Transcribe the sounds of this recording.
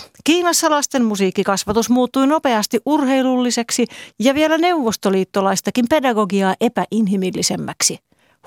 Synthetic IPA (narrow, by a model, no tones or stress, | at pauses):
kiːnɑsːɑlɑst̪e̞mmusiːkːikɑsʋɑt̪usmuːt̪ːujno̞pe̞ɑst̪iʔurɦe̞jlulːise̞ksijɑʋie̞læne̞uʋːo̞st̪oliːt̪ːolɑjst̪ɑkimpe̞dɑɡo̞ɡiɑːʔe̞pæʔinɦimilːise̞mːæksi